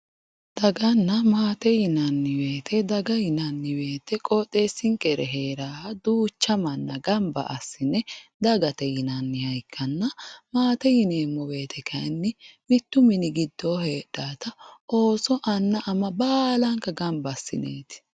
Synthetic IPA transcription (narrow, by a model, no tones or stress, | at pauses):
d̪̥ɐɡɐnːɐmaːt̪ɛjɪnɐnːɪwe̞ːt̪ʰɛd̪ɐɡɐjɪnɐnːɪwe̞ːt̪ːɛkʼɔt̪ʼːeːsːɪŋkʼɛɾɛɦe̞ːɾaːhɐd̪uːt͡ʃːɐmɐnːɐɡɐmbɐ̰ʔɐsːɪnɛd̪ɐɡɐt̪ɛjɪnɐnːɪhɐjkʰːɐnːɐmaːt̪ɛjɪneːmːɔwe̞ːt̪ʰɛkʰɐjnːɪmɪt̪ːʊmɪnɪɡɪd̪ːoːhe̞ːɗːaːt̪ɐo̞ːsɔʔɐnːɐʔɐmɐbaːlɐŋkɐɡɐmbɐsːɪ̰nḛːt̪ɪ̥